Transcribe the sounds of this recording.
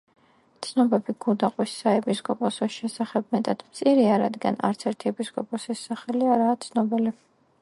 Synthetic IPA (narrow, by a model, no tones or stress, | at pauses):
t̪sʰnɔbɛbiɡ̥ulˠd̪aqʼwisːaɛpʰiskʼɔpʼɔsɔsʃɛsaχɛb̚mɛt̪ʼad̪̥mt̪sʼiɾiaɾa̰d̪ɡa̰na̰ɾt̪sʰɛɾt̪ʰiɛpʰiskʼɔpʼɔsisːaχɛliaɾaːt̪sʰnɔbili